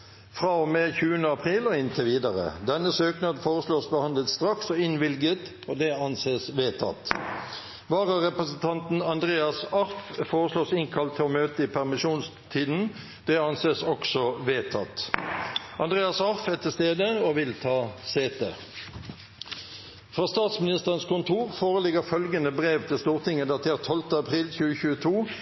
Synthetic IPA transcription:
fʁɑːɔmɛːçʉːənəɑpʰʁiːlɔɪnt̪ʰɪʋiːd̪ɑʁə̰d̪ɛnːəsøːknɑd̪foːʁəsloːsbəhɑnd̪ləlt̪st̪ʁɑksɔɪnʋɪlɡət̪ | od̪ɛɑnseːsʋeːt̪ʰɑ̰t̪ | ʋɑːʁəʁɛpʁəsnt̪ʰɑnt̪n̩ɑnd̪ʁeːɑsɑʁffoːʁəsloːsɪŋkʰɑlt̪ʰːɔmøːt̪əɪpʰæʁmɪʃuːnst̪ʰiːd̪n̩ | d̪̥ɛɑnseːsɔksɔʋeːt̪ʰɑt̪ | ʔɑnd̪ʁeːɑsɑʁfɛt̪ʰːɪst̪eːd̪əoʋɪlt̪ʰɑːseːt̪ḛ | fʁɑːst̪ɑːt̪smɪnɪst̪əʁənskʊnt̪ʰuːʁfoːʁəlɪɡəʁfœlɡənəbʁeːʋt̪ʰɪlst̪uːʁt̪ʰɪŋːəd̪ɑt̪ʰeːʁt̪ʰːɔlt̪əɑpʰʁiːlçʉːəçʉːət̪ʰuː

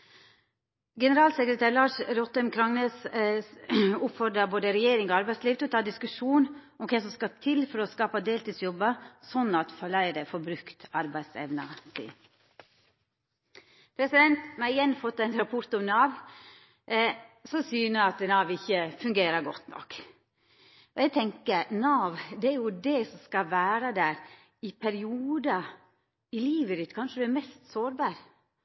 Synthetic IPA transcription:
ɡɛnəɾɑːlsɛkɾət̪ʰæːɾlɑːʂɾɔt̪ːɛmkʰɾɑŋneːs | ʊpfɔd̪ɾəboːd̪əɾɛjeːɾɪŋɔɑɾbæɪsliːʋt̪ʰɛɔt̪ɑːd̪ɪskʉʂuːn | ɔmkʰɛsɔmskɑt̪ʰɪlfɔɾɔskɑːpəd̪eːlt̪yːd̪sjɔbəsɔnːɑt̪fɔɭæɪd̪əfɔɾbɾʉkt̪ɑɾbæɪsɛ̰ʋnə̰sḭː | pʰɾɛsɪd̪ɛnt̪mɑɪjɛnːfɔt̪ːæɪnɾɑpʰɔɾt̪ɔmnɑːʋ | sɔsyːnəɑt̪nɑːʋɪçːəfʉŋɡeːɾəɾɡɔt̪nɔ̰k | ɔjɛɡt̪ʰɛŋkəɾnɑːʋd̪ɛæɾjʊd̪ɛsɔmskɑʋæːɾəd̪æːɾ | ɪpʰæɾɪuːd̪ɑ | ɪliːʋəɾɪt̪ːkʰɑnʂəd̪ɛæmɛst̪soːɾbɑːɾ

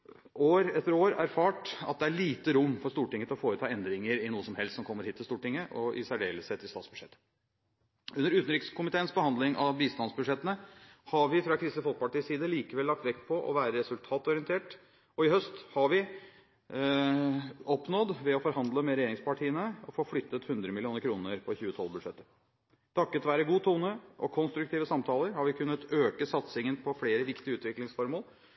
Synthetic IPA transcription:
ʔoːɾɛt̪ːəɾoːɾæɾfɑːʈɑ̰t̪̚d̪ɛæɭiːt̪əɾʊmːfɔɾʂt̪uːʈɪŋːət̪ʰɪlɔfoːɾət̪ʰɑːɛnd̪ɾɪŋəɾɪnuːəsɔmhɛlst̪sɔmkʰɔmːəɾhiːt̪ːɪlst̪uːʈɪŋːəʔɔʔɪ̰sæɖḛːləsɛt̪ʰɪlsɑ̰ːsb̥ʉd̥̪ʂɛt̪ːə | ʔʉnːəɾʉːt̪n̩ɾɪkskʊmɪt̪ʰeːənsbəhɑnd̪lɪŋʔɑʋbiːst̪ɑnsbʉʂɛt̪ːənəhɑʋɪfɾɑkʰɾɪst̪əfɔlk̚əpɑʈiːsiːd̪əliːkəʋɛlːɑk̚t̪ʋɛkːpʰɔʔɔ̰ʋæːɾəɾɛsʉlt̪ʰɑːt̪ɔɾɪənt̪ʰeːʈ | ɔɪhœst̪hɑɾʋɪ | ɔpnɔd̪ʋɛɔfɔɾhɑnd̪ləmɛɾɛjeːɾɪŋspɑʈʰiːənəɔfoːflʏt̪ːət̪hʉnd̪ɾəmɪlɪuːnəɾkʰɾuːnəɾpʰɔçʉːət̪ʰɔ̰lːˠbʉd̪ʂɛt̪ːə | t̪ʰɑkːət̪ʋæːɾəɡuːt̪ʰuːnəʔɔkʰɔnst̪ɾʉk̚t̪iːʋəsɑmt̪ʰɑːləɾhɑɾʋɪkʰʉnːət̪øːkəsɑt̪sɪŋənpʰɔfleːɾəʋɪkt̪ɪəʉːt̪ʋɪklɪŋsfɔɾmoːl

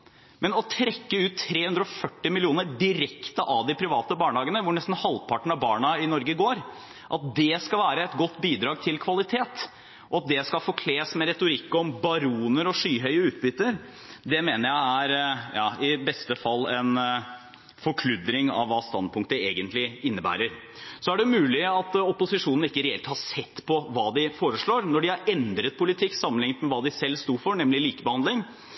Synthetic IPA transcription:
mɛnɔt̪ʰɾɛkːəʉːt̪ʰːɾeːhʉnd̪ɾɔɔfœʈːɪmɪlɪuːnəɖɪɾɛkt̪əʔɑʋd̪ɪpʰɾɪʋɑːt̪əbɑːɳəɑːɡənəʋʊɳɛst̪n̩hɑlpʰɑʈəɳ̩ɑʋbɑːɳɑɪnɔɾɡəɡoːɾ | ʔɑt̪̚d̪ɛskɑʋæːɾəɛt̪ɡɔt̪ːbiːd̪ɾɑːɡ̚t̪ʰɪlkʰʋɑlɪt̪ʰeːt̪ | ʔɔɑt̪̚d̪ɛskɑlfoːkʰleːsmɛɾɛt̪ʊɾɪkːɔmbɑɾuːnəɾɔʂyːɦœʏəʉːt̪̚bʏt̪ːəɾ | d̪ɛmeːnəɾjæɪæɾjɑːɪbɛst̪əfɑlːɛn | fɔɾkʰlʉd̪ɾɪŋɑ̰ʋʋːɑːst̪ɑnd̪̚pʰʊŋkt̪əeːɡənt̪lɪɪnːəbæ̰ːɾəɾ | sɔæɖɛmʉːlɪɑt̪ɔpʊsɪʂuːnn̩ɪkːəɾɛɛlt̪hɑʂɛt̪ːpʰɔʋɑːd̪ɪfoːɾəʂɭoːɾnɔɖɪhɑɾɛnd̪ɾət̪̚pʰʊlɪt̪ʰɪkːsɑmənlɪŋːət̪mɛʋɑːd̪ɪsɛlːst̪uːfɔɳɛmlɪliːkəbəhɑnd̪lɪŋ

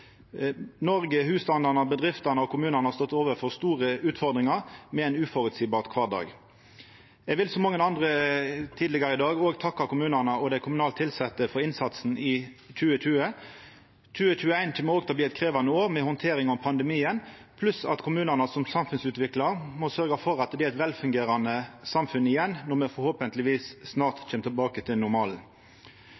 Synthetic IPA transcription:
nɔɾɡəɦʉːst̪ɑnd̪ɑʁnəbəd̪ʁɪft̪ɑnəɔkʰʊmʉːnəʁnəhɑʁst̪ɔt̪ːoːʋəɾfɔʁst̪uːʁəʉːt̪fɔʁd̪ʁɪŋɑʁmɛæɪnʉːfɔɾʉt̪siːbɑːʁt̪kʰʋɑːd̪ɑ̰ːɡ | ɛɡʋɪlsɔmɑŋːənɑnd̪ʁət̪ʰiːd̪lɪɡɑɾəɪd̪ɑːɡoːɡt̪ʰɑkːɑkʰʊmʉːnəʁnəɔd̪ɛɪkʰʊmʉnɑːlt̪ʰɪlsɛt̪ːəfɔɾɪnsɑt̪sn̩ʔɪ | c͡çʉːəc͡çʉːə | t͡ʃʉːət͡ɕʉːəæɪnt̪ʰɪlmɔoːɡt̪ʰɑːbliːɛt̪kʰʁeːʋɑnəoːʁmɛhɔnt̪ʰeːɾɪŋɔmpʰɑnd̪ɛmiːənpʰlʉsɑ̰t̪kʰʊmʉːnæʁnɑsɔmsɑmfʉnsʉːt̪ʋɪklɑɾmɔsœɾɡɑfɔɾɑt̪d̪ɛɛt̪ʋɛlfʉŋɡeːɾɑnəsɑmfʉnɪjɛnːɔmɛfɔɾhoːpənt̪lɪʋiːssnɑːʁt̪c͡çʰeːmət̪ʰɪlbɑːkət̪ʰɪlnʊɾmɑːln̩

